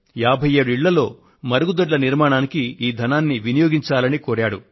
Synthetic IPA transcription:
jaːbʱɐje̞ːɽuiɭːɐlo̞̰ː | mɐɾɐɡud̪ɐɖlɐniɾmaːɳaːnikiiːd̪ʱɐnaːnːiʋinijoːɡiɲt͡ʃaːlɐnikoːɾaːɽu

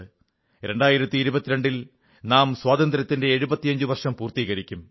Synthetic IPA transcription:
ɾe̞ɳɖaːjiɾɐt̪ːiːɾubɐt̪ːiɾeɳɖil | naːmswaːd̪ɐnd̪ɾɐt̪ːinde̞ːɻubɐt̪ːijɐɲd͡ʑuʋɐrʂɐmpuːrt̪iːɣɐɾikʲːum

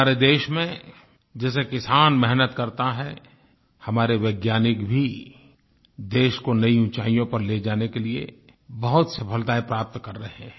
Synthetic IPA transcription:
aːɾed̪eːʃmẽ | d͡ʒɛːsekɪsaːnmɛɦnət̪kɐɾt̪aɦɛ | hɐmaːɾeʋeːɡjaːnɪkbʱi | d̪eːʃkonɐiũt͡ʃaːijõpɐɾled͡ʒaːnekeliḛ | bɐɦʊt̪sɐpʰəlt̪aːepɾaːp̚t̪kɐɾːɐɦẽ

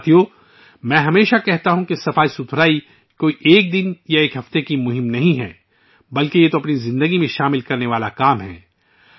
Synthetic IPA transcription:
t̪ʰijoː | mɛ̃ːɦɐmeːʃakɛɦt̪aɦũkesɐfaːisʊt̪ʰɾaːi | koːiʔeːk̚d̪ɪnjaeːkɦɐft̪ekimʊɦɪ̃mnɐɦĩɦɛ̰̃ː | bɐlkejet̪oɐpnizɪ̃nd̪əɡimẽʃaːmɪlkɐɾneʋaːlakaːmɦɛ̰ː

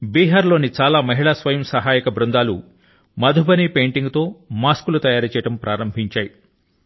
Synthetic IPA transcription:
biːɦaːɾlo̞ːnit͡ʃaːlaːmɐɦiɭaːsʋɐjɐmsɐɦaːjikɐbɾund̪aːlṵ | mɐd̪ʱubɐniːpe̞ːɳʈiŋɡt̪o̞ːmaːskulut̪ɐjaːɾt͡ʃɛːjɐʈɐmpɾaːɾɐmbʱiɲt͡ʃaːji

